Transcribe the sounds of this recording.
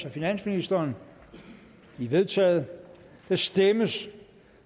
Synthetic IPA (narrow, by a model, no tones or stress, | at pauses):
sɒfinæn̰sminisd̥ɐːn | iʋe̝ðˠt͡sʰɛ̰ːð̩ˠ | d̥æsd̥eməs